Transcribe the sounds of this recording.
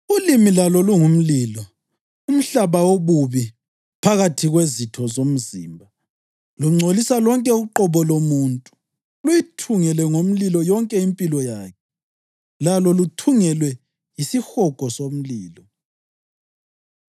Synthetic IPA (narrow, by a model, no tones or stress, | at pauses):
ulimilalɔluŋum̩liːlɔ | um̩ɬaβawoβuβi | pʰaɣatʰiɣwezitʰɔzom̩zḭːmbʱa | luŋ͡ǀʱolisalɔŋkʼɛuǃɔβɔlomuntʼu̥ | lujitʰuŋɛlɛŋom̩lilɔjɔŋkʼɛimpʼilɔjaːkʰɛ | lalɔlutʰuŋɛlwɛ | jisixɔkʼɔsom̩liːlɔ